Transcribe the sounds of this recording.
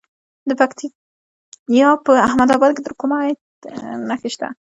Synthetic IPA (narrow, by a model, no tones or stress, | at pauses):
d̪əpakt̪i | jɑpəahmad̪ɑbɑd̪̚ked̪əɾkomɑt̪ | naxeʃt̪a̰